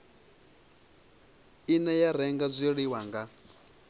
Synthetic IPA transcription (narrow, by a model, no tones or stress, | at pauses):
inɛjaɾɛŋɡab͡ʐʷiɺiwaŋɡa